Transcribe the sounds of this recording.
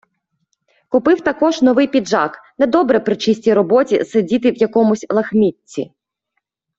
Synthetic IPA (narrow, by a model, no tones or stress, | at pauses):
kʊpɪwt̪ɐkɔʒnɔʋɪjpʲid̪ʒɑ̰knɛd̪ɔbɾɛpɾɪt͡ʃisʲtʲiɾɔbɔtʲḭsedʲit̪ɪwjɐkɔmʊsʲlˠɐxmʲitʲːḭ